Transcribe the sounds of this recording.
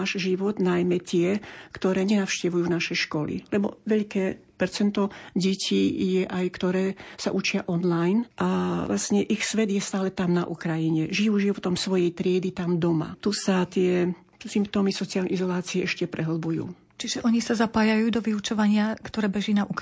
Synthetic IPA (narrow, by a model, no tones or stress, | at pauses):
aʒʒiʋɔd̪najmɛt̪ɪɛkt̪ɔɾɛːɲɛnafʃcɛʋujuːnaʃɛjʃkɔlḭlɛbɔ̰ʋɛʎkɛː | pɛɾt͡sɛnt̪ɔɟɛcʰiːjɛʔajkt̪ɔɾɛːsaʔut͡ʃɪaʔɔnlajnʔalasɲɛʔixsʋɛd̪jɛst̪aːlɛt̪amnaʔukɾajiɲɛʒijuːʒiʋɔt̪ɔmsʋɔjɛjt̪ɾɪɛd̪it̪amd̪ɔma̰t̪usat̪ɪɛ | simp̚t̪ɔːmisɔt͡sialnɛizɔlaːt͡siɛʔɛʃcɛpɾʔɛɦl̩bujṵː | t͡ʃiʒɛʔɔɲisazapaːjajuːd̪ɔʋiut͡ʃɔʋaɲɪakt̪ɔɾɛːbɛʒinaʔuk